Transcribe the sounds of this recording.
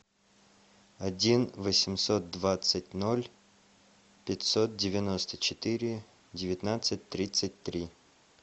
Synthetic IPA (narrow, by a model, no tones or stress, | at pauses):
ɐdʲinvəsʲɪmsot̪̚d̪vat̪sətʲnolʲ | pʲɪtʲsot̪̚dʲɪvʲɪno̞st̪ət͡ɕɪt̪ɨɾʲɪ | dʲɪvʲɪt̪nat̪sɨt̚ʲt̪ɾʲit̪sɨtʲt̪ɾʲi